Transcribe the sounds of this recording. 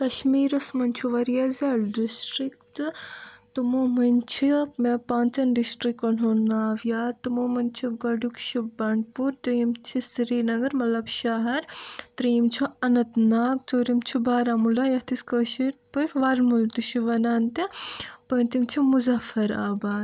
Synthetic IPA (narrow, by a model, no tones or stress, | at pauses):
kɐʃmiːɾɐsmɐnt͡ʃʰuʋɐɾjazaːlɖisʈɾik̚t | t̪umomɐnt͡ʃʰimepaːnt͡sɐnɖisʈɾikːonɦonaːʋjaːt̪umomɐnt͡ʃʰiɡɐɖukt͡ʃʰibɐɳ̚puɾt̪iimt͡ʃʰisiɾiːnɐɡɐɾmɐlɐbʃaɦɐɾt̪ɾimt͡ʃʰiɐnɐt̪naːk̚t͡soːɾimt͡ʃʰibaːɾamulajɐt̪ʰiskəːʃiɾpɨʃʋɐlmult̪uʃiʋɐnaːnt̪ipɐnt̪imt͡ʃʰimuzɐfɐɾaːbaːd̪